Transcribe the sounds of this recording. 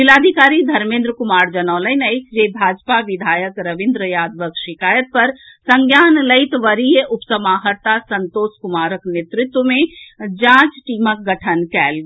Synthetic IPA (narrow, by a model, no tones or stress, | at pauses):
ʋilad̪ʱikaɾid̪ʱəɾmẽnd̪ɾəkumaɾd͡ʒənələjnəjkʰd͡ʒebʱad͡ʒpaʋid̪ʱajəkɾəʋĩnd̪ɾəjad̪ʋəkʃikajət̪̚pəɾsəŋɡjanləɪt̪ʋəɾijəupsəmaɦəɾt̪asənt̪oskumaɾəknet̪ɾit̪wəmed͡ʒãt͡ʃʈimək̚ɡəʈʰənkɛl